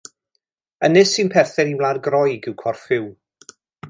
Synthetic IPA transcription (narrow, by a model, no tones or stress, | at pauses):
ənɨsinpʰɛrθɛniwlˠaːrɡrɔjɡɪwkʰɔrfɪw